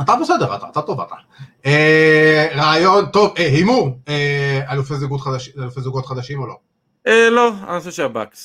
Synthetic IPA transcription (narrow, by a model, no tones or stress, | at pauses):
at̪abesedeʁat̪aːt̪at̪o̞vat̪a | e | ʁaːjo̞nt̪o̞vehimuʁealufezuɡot̪χad̪aʃialufezuɡot̪χad̪aʃimolo̞ | eloa̰naseʃeaba̰ks